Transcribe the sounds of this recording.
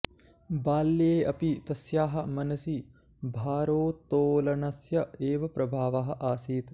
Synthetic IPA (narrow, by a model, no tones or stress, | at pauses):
baːljeːɐpit̪ɐsjaːɦɐ̆mɐnɐsi | bʱaːɾoːt̪ːoːlɐnɐsjɐeːʋɐpɾɐbʱaːʋaɦɐ̆ʔaːsiːt̪